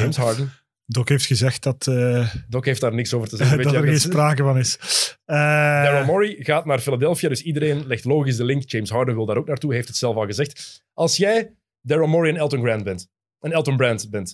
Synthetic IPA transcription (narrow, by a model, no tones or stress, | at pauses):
d͡ʒejmsɦɑːɹdən | dɔkɦeːftxəzɛxt̚dɑtədɔkɦeːftdaːrnɪksoːvərtəzɣeːəɾɣeːnspraːkəvɑnɪsədɛɹomɔɹiɣaːtnaːrfiladɛlˠfijadʏsidəɾeːnlɛxtloːɣisdəlɪŋkd͡ʒejmsɦɑːɹdənwɪlˠdaːɾoːk̚naːrtuɦejftətsɛlˠfɑlˠɣəzɛxt | ʔɑlˠsjɛj | dɛɹomɔɹiənɛlˠtənɡɹɛntbɛnt | ənɛlˠtənbɹɛntbɛnt